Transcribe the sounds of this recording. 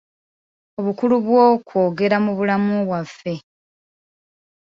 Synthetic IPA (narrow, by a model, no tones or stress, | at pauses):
o̞βukuluβwokwo̞ːɡe̞ɾamuβulamuβwafːe̞